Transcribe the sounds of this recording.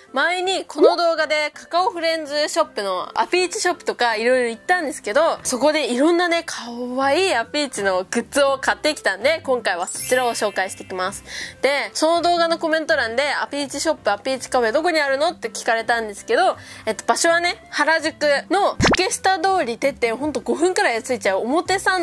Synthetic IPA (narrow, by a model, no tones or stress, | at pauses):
maiɲ̟ikʰo̞no̞d̪o̞ːɡad̪e̞kḁkaoɸɯ̟ɾẽ̞nd͡zɨɕo̞pːɯno̞a̰pʲiːt͡ɕiɕo̞pːɯ̟̥t̪o̞kaiɾo̞iɾo̞it̪ːãnd̪e̞sɨ̥ke̞d̪o̞so̞ko̞d̪e̞iɾõ̞nːane̞kʰaβaiapʲiːt͡ɕino̞ɡɯ̟t͡sɨo̞kat̪ːe̞kʲi̥t̪ãnd̪e̞kõ̞ŋkaiβaso̥t͡ɕiɾaoɕo̞ːkaiɕi̥t̪e̞kʲimasɨ̥d̪̥e̞so̞no̞d̪o̞ːɡano̞ko̞mẽ̞nt̪o̞ɾãnd̪e̞apʲit͡ɕiɕo̞pːɯapʲiːt͡ɕi̥kaoed̪o̞ko̞ɲ̟iaɾɯ̟no̞t̪ːe̞kʲi̥kaɾe̞t̪ãnd̪e̞sɨ̥ke̞d̪o̞e̞t̪ːo̞baɕo̞βane̞haɾaʑɨkɯ̟no̞ɸɯ̟̥ke̞ɕi̥t̪ad̪o̞ːɾʲit̪e̞t̪ːẽɦõ̞nt̪o̞ɡo̞ɸɯ̟̃ŋkaɾajt͡sɨit͡ɕaɯ̟omo̞t̪e̞sãn